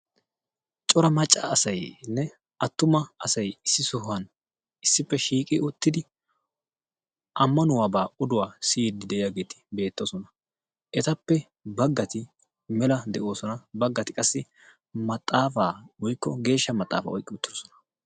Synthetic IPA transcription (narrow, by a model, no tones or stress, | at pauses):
t͡ʃʼɔɾɐmɐt͡ʃʼːaːɐsɐjnːɛ | ʔɐt̪ːʊmɐɐsɐjɪsːɪsʊhɐn | ɪsːɪpːɛʃiːkʼɪʊt̪ːɪd̪ɪ | ʔɐmːɐnʊwaːbaːʔʊd̪ʊwaːsijd̪ːɪd̪ɛʔɪjaːɡe̞ːt̪ɪ̥be̞ːt̪ːoːsɔnɐ | ʔɛt̪ɐpːɛ | bɐɡːɐt̪ɪ | mɛlɐd̪ɛʔo̞ːsɔnɐbɐɡːɐt̪ɪkʼɐsːɪ | mɐt̪ʼːaːfaːwɔjkːɔɡe̞ːʃːɐmɐt̪ʼːa̰ːfa̰ːɔ̰jkʼːɪʊt̪ːɪd̪osɔnɐ̥